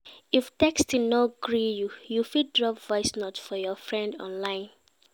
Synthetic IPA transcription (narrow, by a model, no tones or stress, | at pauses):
iftɛkstinɔɡɹijujufid̚dɹɔpvɔɪsnɔtfɔjɔfɹɛ̃ndɔ̰̃nlãɪ̃n